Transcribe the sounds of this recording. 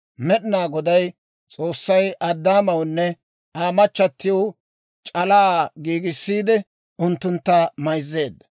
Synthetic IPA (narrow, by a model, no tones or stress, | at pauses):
mɛɗɪnaːɡɔd̪ɐj | t͡sʼo̞ːsːɐjʔɐd̪ːaːmɐwnːɛ | aːmɐt͡ʃːɐt̪ːɪjow | t͡ʃʼɐlaːɡiːɡɪsːiːd̪ɛ | ʊnt̪ːʊnt̪ːɐmɐjzːe̞ːd̪ːɐ̥